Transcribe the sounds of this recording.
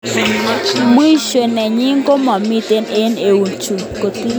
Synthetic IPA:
mu˦i˦ʃwe˨nɛ˨ɲi˦ŋ˦ɡo˦mɔ˨mi˦te˦ne˦ne˨wu˨nt͡ʃu˨ko˨ti˦

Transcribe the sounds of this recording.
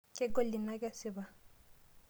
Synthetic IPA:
kʼɛ˦ɡɔ˦lɪ˨na˦ka˦sɪ˦ba˨

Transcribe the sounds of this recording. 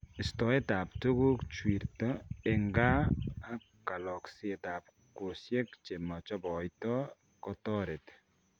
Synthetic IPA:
ɪ˨stɔ˨e˦ta˨ptu˦ku˦kt͡ʃwi˨ɾtɔ˦e˨ŋɡaː˦a˦ | ka˨lɔ˨ksi˦e˨ta˨p̚ | ko˨sje˦kt͡ʃe˨ma˨t͡ʃɔ˦bɔ˨jtɔ | kɔ˦tɔ˦ɾe˨t

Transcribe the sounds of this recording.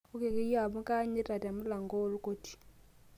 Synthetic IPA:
u˦ke˨ki˦ja˨bu˦ka˦ɲɛ˦ta˨ta˨mu˦la˨ŋɡo˦lu˦ko˦ti̥˨

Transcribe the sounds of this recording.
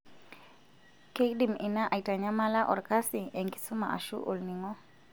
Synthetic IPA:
ke˦kdi˨mi˨na˦ʔa˨ita˨ɲa˦ma˦la˦ʔɔ˨ɾkasiɛŋki̥su˦ma̰˨ʔa̰˨ʃṵ˦ʔo˨lni˨ŋɔ˦

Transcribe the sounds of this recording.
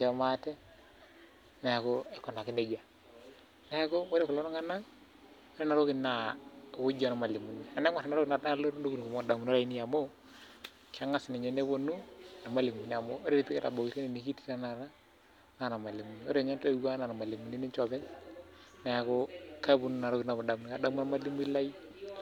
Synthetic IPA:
t͡ʃɛ˦˨ma˦tɛ˦ | na˨ja˨ko˦e˦kɔ˨na˨ki˦ne˨ɡa˨ | na˨˦a˦ko˦wo˦ɾe˦ku˨lo˦na˦ŋa˦na˦ŋ | o˦ɾe˦na˨ɾo˦kɪ˦na˨ku˦d͡ʒa˨na˨ma˨li˨mu˨ni˨a˨ne˦ŋʷa˨ta˨na˨ɾo˦ɪ˦na˨ta˦lo˦ɾo˦ku˦n˨ko˨mo˨da˨mu˨no˦ɾa˨i˦ni˦ja˨mo˦ | ka˦ŋa˦sɪ˨ne˨ɲe˨ne˦βo˦nu˦˨na˨ma˦li˨mu˨n˨a˨mo˦o˦ɾe˦ɾi˨pi˦kɛ˦ta̰˨bo˨kɪ˨ke˦ni˨ni˨ki˦ti˦na˨na˨ɾa˦ | ŋa˦˨na˨ma˨li˨mu˨ni˨o˦ɾe˦˨ɲa˦nta˦u˦ka˦na˨na˨ma˨li˨mu˨ni˦ni˦t͡ʃɔ˨bɛ˦ | na˨ja˨ko˦ka˦bu˨nu˦na˨ɾo˦kɪ˨na˨bo˨da˨mu˨n˨ka˨da˦mu˦na˦ma˨˦li˦m˦i˦la˦i˦

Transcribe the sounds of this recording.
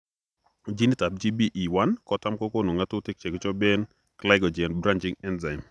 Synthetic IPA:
d͡ʒi˦ni˦ta˨b̚d͡ʒi˦bi˦ʔi˨wa˦nkɔ˨ta˦mkɔ˦ko˦no˨ŋa˦tʊ˦tɪ˦k̚t͡ʃe˨ɡt͡ʃɔ˦bɛ˦n | kla˦ɪɡɔ˨d͡ʒɛ˨nbɾa˦nt͡ʃi˦ŋɛ˦nza˨ɪ˨n

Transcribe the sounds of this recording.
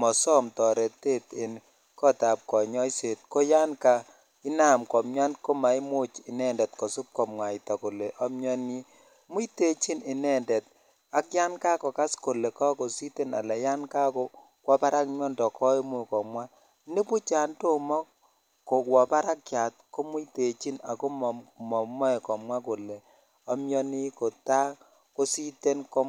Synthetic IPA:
mɔ˨sɔ˦mtɔ˨ɾɛ˨te˦tɪ˨n | kɔ˦ta˨p̚kɔ˨ɲɔ˦jse˨t̚ko˦ja˦nka˨ | ɪ˦na˨mkɔ˨mɲa˦nko˦ma˨i˦mo˦t͡ʃɪ˨nɛ˦˨ndɛ˨tkɔ˨su˦p̚kɔ˨mŋwa˨i˨ta˨ko˨le˨ʔɔ˦mɲɔ˦ni˦ | mu˦i˦te˦t͡ʃi˦nɪ˨nɛ˦˨ndɛ˨t̚ | a˦kja˦nka˦kɔ˨ka˦sko˨le˨kɔ˦ko˨si˦te˦na̰˨lɛ˨ja˦nka˦kɔ˦ | kwɔ˦pa˦ɾa˦kmjɔ˦ndɔ˨kʰɔ˦e˦mu˦˨kɔ˨mwa˦ | ne˦pu˦t͡ʃa˨nto˦mɔ˦ | ko˨kwɔ˨pa˦ɾa˦kja˨t̚ko˦mu˦i˦te˨t͡ʃi˦na̰˨ko˦mɔ˨mɔ˨mɔ˦e˨kɔ˨mwa˦ko˨le˨ | ɔ˦mjɔ˦ni˦ko˨ta˦ | ko˦si˦te˦nko˦

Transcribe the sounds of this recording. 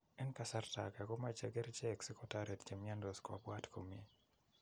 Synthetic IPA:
ɛ˦nka˦sa˦rta˨ka˨ko˦mat͡ʃɛ˦ɡɛ˦ɾt͡ʃɛ˦ksɛ˦kɔtaɾe˨tt͡ʃe˨mja˦ndɔ˨skwa̰˨bwa˦tkʰo˨mie˦

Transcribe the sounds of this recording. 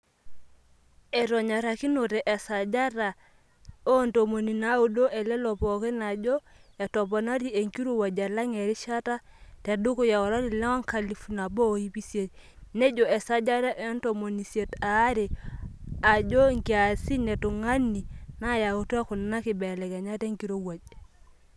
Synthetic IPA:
ɛ˨ɾɔ˨ɲa˨ɾa˨ki˦no˨tɛ˨ʔɛ˨sa˨d͡ʒa˦ɾa˨ | ɔ˦nto˨mo˨ni˨na˨˦u˦do˦ʔɛ˨lɛ˦lɔ˨pɔ˨ke˦na˨d͡ʒɔ˦ | ɛ˨tɔ˨pɔ˨na˦ɾi˦e˨ŋki˦ɾu˦˨wa˨d͡ʒa˨la˦ŋe˨ɾi˦ʃa˦ta˦ | te˨du˦ku˦ja˨ɔ˨ɾa˦ɾi˨la˦a˦ŋka˨li˨fu˨na˨bo˦˨i˦pi˦sje˨t | ne˦d͡ʒɔ˨ɛ˨sa˦d͡ʒa˦ɾa˦ʔe˦nto˨mo˨ni˨sje˨ta˨˦ɾe˨ | a˨d͡ʒo˦ŋki˨a˨si˦nɛ˨tu˨ŋa˦ni˨na˦ja˨u˨tu˦a˦kʊ˨na˦kɪ˨bɛ˨lɛ˨kɛ˨ɲa˦te˦ŋki˨˦ɾo˦wa˨d͡ʒ

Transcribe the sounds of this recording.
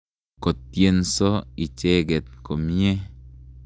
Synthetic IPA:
ko˨t̚je˨nsɔ˦i˨t͡ʃe˦ɡɛ˨t̪̚ko˨m˦e˦

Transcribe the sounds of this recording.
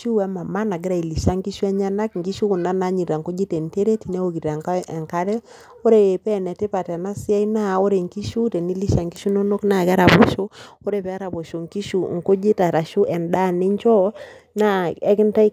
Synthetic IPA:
u˦wɛ˦ma˨ma˦na˨ɡɪ˦ɾa˨i˨li˨ʃa˦ŋki˦ʃu˦ɛ˦ɲa˦na˦kŋ̩˨ɡi˦ʃu˦kʊ˨na˦na˦ɲi˨ɾa˨ŋko˦d͡ʒi˦tɛ˨nte˦ɾe˦ti˨nɛ˦o˨ki˨ɾa˨ŋka˦ɛ˨ŋka˦ɾɛ˦ | o˦ɾe˨e˨pɛ˦˨nɛ˨tɪ˦pa˨tɛ˨na˦sɪ˦a˦ina˦˨o˦ɾe˨ŋki˦ʃu˦tɛ˨ni˦li˦ʃa˨ŋki˦ʃu˦no˦no˦kna˦˨ka˦ɾa˨bɔ˨ʃo˦o˦ɾe˨pɛ˨a˦ɾa˨bo˨ʃo˨ŋki˦ʃu˨ŋ˨ko˦d͡ʒi˦ta˨ɾa˨ʃu˦ʔɛ˨nda˦˨nɪ˦ɲt͡ʃɔ˦na˦˨ɛ˦kɪ˦nta˦i˦

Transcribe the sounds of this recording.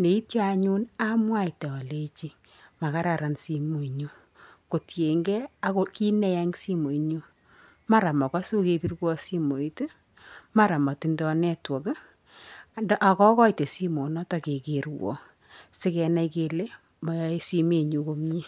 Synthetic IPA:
ne˨i˦tja˦ɲu˦na˦mwa˦i˨tɛ˨ɔ˨le˦t͡ʃi˦ | ma˨ka˦ɾa˨ɾa˨nsi˧mo˨i˨ɲu˦ | ko˨tje˨ŋɡɛ˦a˨ko˦ki˦nɛ˦ja˦ŋsi˦mo˨iɲu˦ | ma˦ɾa˨mɔ˨ka˦su˦ke˧pi˦rkwɔ˦si˦mo˨i˦te˦ | ma˦ɾa˨mɔ˨ti˨ndɔ˧nɛ˦twɔ˨k | a˨ndɔ˦ʔa˨kɔ˦kɔ˦i˨te˨si˦mo˨nɔ˦tɔ˨ke˨ke˨ɾwɔ̰˨ | sɪ˦kɛ˧na˦˧ike˧le˦ | ma˨je˦si˦me˨ɲu˨ko˦mɲi˦

